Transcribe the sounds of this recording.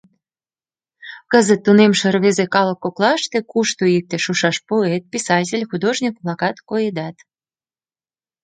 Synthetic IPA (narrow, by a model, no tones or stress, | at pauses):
kəzət̪ːunemʃərβezekɑləkːoklɑʃt̪ĕkuʃt̪oik̚t̪ĕʃuʃɑʃpoet̪̚pʲisɑtʲelʲxud̪oʒnʲik̚blɑkɑt̪kojed̪ɑt̪